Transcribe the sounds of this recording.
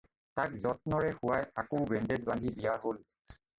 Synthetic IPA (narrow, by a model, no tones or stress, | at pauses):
takzɔt̚nɔɹɛxuajakowbɛndedbandʱidijaɦol